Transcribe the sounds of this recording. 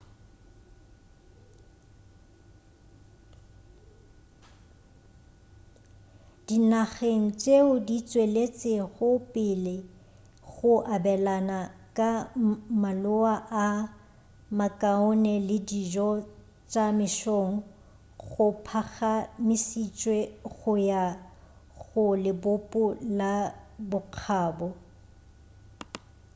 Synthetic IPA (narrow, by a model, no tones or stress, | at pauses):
d̥inaχeŋ̩t͡ʃʼeʊdit͡sʼwelet͡sʼɪɣʊpʼɪle | ɣʊʔabɛlanakʼamalʊaʔa | makʼaʊnɛlɪdiʒɔ | t͡ʃʼamɪʃoŋ̩ | ɣʊpʰaɣamɪsit͡ʃʼweɣʊja | ɣʊlɪbʊpʼʊlabʊq͡χʰaːbɔ